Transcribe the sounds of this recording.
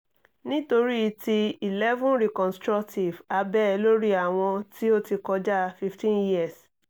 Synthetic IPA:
nĩ˦to˧ɾi˦i˧ti˧i˨lɛ˦vũ˦nɾi˨kɔ̃˨nstɾɔ˦kti˨va˧bɛ˦˧lo˦ɾi˦a˨w̃ɔ̃˧tʰi˦o˦ti˧kɔ˧˦d͡ʒa˦fi˦ftĩ˦nji˦a˨s

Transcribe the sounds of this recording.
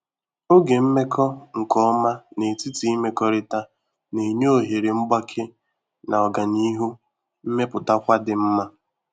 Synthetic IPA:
o˦ɡe˨m̩˦me˦kʰɔ˦ŋ̩˨kɔ˦ɔ˦ma˦ne˨ti˦ti˨˦i˦me˦kɔ˦ɾɪ˦ta˦ | ne˨ɲ˦o˨ɦe˨ɾe˨m̩˦ɡ͡ba˦kʰe˦ | na˨ɔ˨ɡa˨ni˦ɦu˦ | m̩˦me˦pʊ˨ta˦kʷa˦dɪ˨m̩˦ma˦

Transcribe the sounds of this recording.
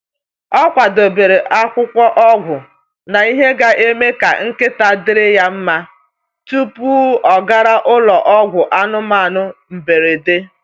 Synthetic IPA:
ɔ˦kʷa˨do˨be˨ɾe˨ʔa˦kʷʊ˦kʷɔ˦ʔɔ˦ɡʷʊ˨ | na˨i˦ɦe˦ɡa˦ʔe˦me˦ka̰˨ŋ̩˦ke˦ta˨dɪ˦ɾɪ˦ja˦m̩˦ma˦ | tu˦pu˦ɔ˨ɡa˦ɾa˦ʔʊ˦lɔ˨ʔɔ˦ɡʷʊ˨ʔa˦nʊ˦ma˦˨nʊ˦m̩˨be˨ɾe˨de˦

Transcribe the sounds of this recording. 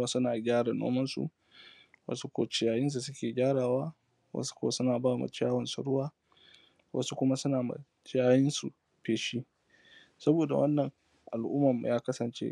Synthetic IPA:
aː˦sʊ˦naː˨ɡʲaː˦ɽa˨no̰ː˦mɐ˦nsṵ˨ | wa̰˦su˦kʷo̰ː˨t͡ʃɪ˨jaː˨˦jɪ˦ns̬u˨sʊ˦kʲeː˨ɡʲaː˦ɽaː˨waː˦ | wɐ̰˦su̥˦kʷoː˦˨sʊ˦naː˨baː˦mɐ̰˨t͡ʃɪ˦jaː˦wɐ˨nsṵ˨ɽʊ˦waː˦ | wɐ̰˦su˦kʷʊ˦ma˦sʊ˦naː˨mɐ̰˨t͡ʃjaː˦jɪ˦nsu˨ | ɸeː˨ʃi˦ | sɐ˦boː˨da̰˨wɐ˦nːɐ˨ŋ | ʔa˨lʔʊ˦mːɐ˨mːṵ˨jaː˦kɐ˦sɐ˨nt͡ʃḛ˦

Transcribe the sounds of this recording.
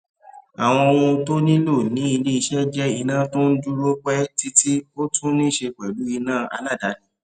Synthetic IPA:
a˨w̃ɔ̃˧o˧wũ˧to˦nĩ˦lo˦˨nĩ˨˦i˧le˦i˧ʃɛ˦d͡ʒɛ˦i˧nã˦˨to˦n̩˦d͡ʒu˦ɾo˦k͡pɛ˦ti˦tʰi˦o˦tũ˦nĩ˦˨ʃe˧k͡pɛ˨lu˨˦i˧nãː˦˨a̰˧la˦˨da˨˦nĩ˦

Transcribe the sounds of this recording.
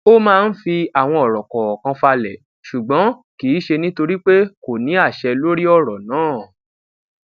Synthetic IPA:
o˦mãː˦˧n̩˦fi˧a˨w̃ɔ̃˧ɔ˨ɾɔ̃˨kɔ˨ɔ˨kã˧fa˧lɛ˨ | ʃu˨ɡ͡bɔ̃˨˦kiː˨˦ʃe˧nĩ˦to˧ɾi˦k͡pe˦ko˨nĩ˨˦a˦˨ʃɛ˧lo˦ɾi˦ɔ˦˨ɾɔ˨nãː˨˦˨

